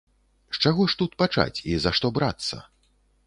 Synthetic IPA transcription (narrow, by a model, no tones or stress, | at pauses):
ʂt͡ʂaɣɔʂt̪ut̪̚pat͡ʂa̰t͡sʲizaʂt̪ɔbɾat̪sːɐ̰